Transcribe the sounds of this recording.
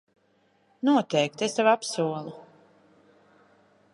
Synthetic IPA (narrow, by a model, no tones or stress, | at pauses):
nuɔt̪ɛjk̚t̪est̪avapsuɔlˠu